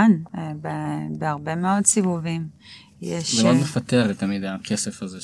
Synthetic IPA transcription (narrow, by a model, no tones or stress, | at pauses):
nbebeaʁbe̞meo̞dsivuvim | jeʃzeod̪mefat̪eʁet̪ːamid̪akʰe̞sefaze